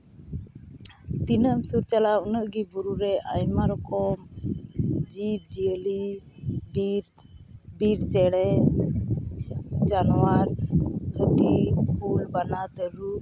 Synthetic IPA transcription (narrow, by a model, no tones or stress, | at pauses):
t̪inəmsuɾt͡ʃalaunəʔɡibuɾuɾɛʔajmaɾɔkɔm | d͡ʒib̚d͡ʒiəli | bɾ | biɾt͡ʃɛɽɛn | d͡ʒanɔwaɾhət̪ipulbanat̪əɾu